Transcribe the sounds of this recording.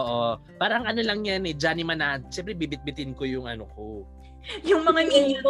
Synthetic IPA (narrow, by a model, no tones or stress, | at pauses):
ʔoːʔo | paːɾɐʔɐŋʔɐno̞lɐŋɲanɛd͡ʒanimɐnɐʃɛmp̬ɾɛbibɪt̪̚bɪt̪ɪnko̞jʊŋʔɐ̰noko | jʊŋmɐŋaniko